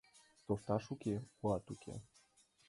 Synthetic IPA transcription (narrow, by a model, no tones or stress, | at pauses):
t̪oft̪ɑʃukʲeuɑt̪ukʰḛ